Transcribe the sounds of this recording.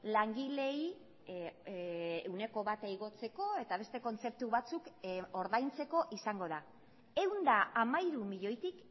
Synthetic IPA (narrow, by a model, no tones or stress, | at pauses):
laŋɡile̞j | ewne̞ko̞βat̪ejɣo̞t͡se̞ko̞e̞t̪aβ̞e̞st̪e̞ko̞nt͡se̞p̚t̪uβat͡suko̞ɾðajnt͡se̞ko̞ʔisaŋɡo̞ða | e̞wnd̪aʔamaiɾumiʎo̞jt̪ik